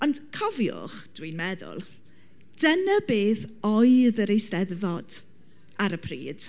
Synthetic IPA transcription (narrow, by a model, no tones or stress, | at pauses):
ɔnd̥kʰɔvjʊ̰χd̥winmɛðʊ̰lˠ | d̥ənəbeːθɔjɨðəɾejstɛðvɔd̥ | aɾəpʰrḭːd̥